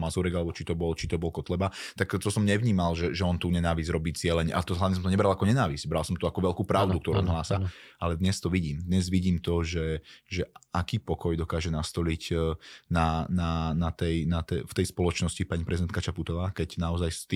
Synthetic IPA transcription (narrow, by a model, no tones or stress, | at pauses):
mazuɾɛɡalɛbɔt͡ʃit̪ɔbɔlt͡ʃit̪ɔbɔlkɔt̪lɛbat̪akt̪ɔsɔmɲɛʋɲiːmalʒɛʒɛɔnt̪uːɲɛnaːʋizɾɔbiːt͡sɪɛlɛɲʔa̰t̪ɔɦlaʋɲɛs̬ɔmt̪ɔɲɛbɾalakɔɲɛnaːʋizɟ̥bɾalˠsɔmt̪ɔakɔʋɛlkuːpɾaʊd̪ukt̪ɔɾuɔnɦlaːsaalɛd̪ɲɛst̪ɔʋiɟiːmd̪ɲɛzʋiɟiːmt̪ɔʒɛʒɛʔakiːpɔkɔjd̪ɔkaːʒɛnast̪ɔliɟnananat̪ɛjnat̪ɛft̪ɛjspɔlɔt͡ʃnɔscipaɲipɾɛzid̪ɛnt̪kat͡ʃaput̪ɔʋaːkɛcnaɔzajst̪